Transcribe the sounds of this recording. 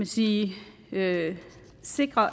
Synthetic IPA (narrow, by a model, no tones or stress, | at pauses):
mænsiː | ø | se̝ɡ̥ʁɐ